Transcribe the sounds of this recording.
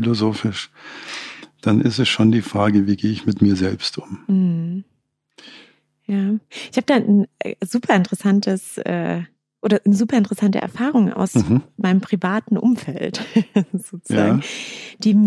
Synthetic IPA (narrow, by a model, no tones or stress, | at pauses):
ilozoːfɪʃ | d̥anʔɪstɛsʃoːndiːfʁ̥aːɡəviːɡeːəɪçmɪtmiːɐzɛlpstʰʔʊmm̩h̩ | jaːʔɪçhaːbədaːn̩zuːpʰɐɪntəʁɛsantʰəsʔɛ̰ː | ʔoːɾɐnəzuːpɐɪntəʁɛsantə̰ʔɛ̰ɐfaːʁʊŋʔa̰ʊsmaɪnəmpʁ̥ivaːtn̩ʔʊ̰mfɛltz̥oːt͡sujzaːŋ̩d̥iː